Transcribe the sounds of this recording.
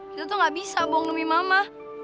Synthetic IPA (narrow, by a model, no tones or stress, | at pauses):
zotoŋabisaboŋomimama